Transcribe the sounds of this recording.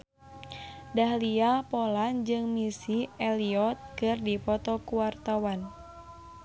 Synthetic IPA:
dahliapɔland͡ʒɨŋmisiɛliɔt̪̚kɨrdipɔt̪ɔkuwart̪awan

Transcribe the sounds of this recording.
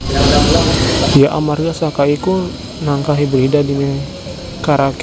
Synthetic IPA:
ijaʔa̰marɡasakaiku | naŋkaɦibərɦidadinɛ | kaɾak

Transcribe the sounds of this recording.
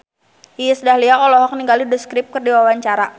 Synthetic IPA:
ijsədahliaʔɔlɔɦɔk̚niŋɡaliduskɾɪp̚kərdiwawaɲt͡ʃaɾa

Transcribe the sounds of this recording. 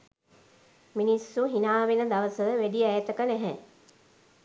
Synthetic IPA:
minisːuɦinaːʋenəd̪aʋəsəʋəʋæɖiɛjət̪əkənɛɦɛ

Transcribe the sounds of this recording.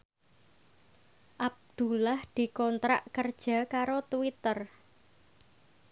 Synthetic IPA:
ʔab̚d̪̥ulahd̪̥i̤kɔnt̪ɾaʔkərd̥ʒ̥a̤kaɾot̪uwit̪ər

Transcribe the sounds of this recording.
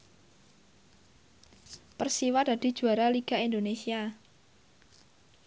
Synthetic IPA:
pərsiwad̥a̤d̥i̤̥d͡ʒ̥uaɾaliɡ̥a̤ind̪onesia

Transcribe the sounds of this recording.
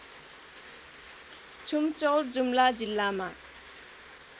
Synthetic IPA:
t͡sʰumt͡sʌwrd͡zumlad͡zilːama

